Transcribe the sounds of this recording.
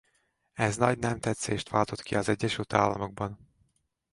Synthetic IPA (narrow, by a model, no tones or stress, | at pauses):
ɛznɒɟnɛmt̪ɛt̪seːʃt̪ʋaːlt̪o̞t̪kʰiɒzɛɟːɛʃylt̪a̰ːlːɒmo̞ɡ̚bɒn